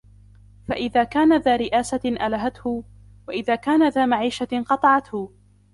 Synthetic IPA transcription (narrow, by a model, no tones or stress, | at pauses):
fa̰ʔɪðaːkaːnaðaːɾɪʔaːsaʔalaɦat̪hʊ | waʔɪðaːkaːnaðaːmaʕiːʃaqɑt̪ˤɑʕɑt̪hʊ